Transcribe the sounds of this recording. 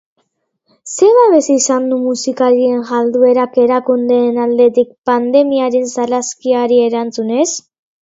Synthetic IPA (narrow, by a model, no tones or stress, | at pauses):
se̞βaβe̞sisand̪umusikalie̞ŋʝald̪ue̞ɾake̞ɾakund̪e̞ːnald̪e̞t̪ik̚pand̪e̞miaɾensalaskiaɾie̞ɾant͡sune̞s